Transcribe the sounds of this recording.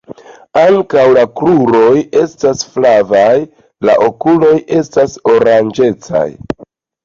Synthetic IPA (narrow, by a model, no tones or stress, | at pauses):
aŋkawlakɾuɾo̞je̞stasflavaj | la̰ʔo̞kulo̞jʔe̞staso̞ɾand͡ʒe̞t͡sa̰j